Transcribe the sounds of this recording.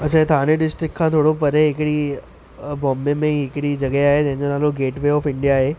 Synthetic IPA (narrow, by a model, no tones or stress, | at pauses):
ət͡ɕãẽt̪ʰaneɖisʈɾikkʰãt̪ʰoɽopəɾeekɽiː | bɔmbemeikɽiːd͡ʑəɡeaɦet̪jãɲt͡ɕenaloɡeʈʋeɔfiɳɖijaːɦe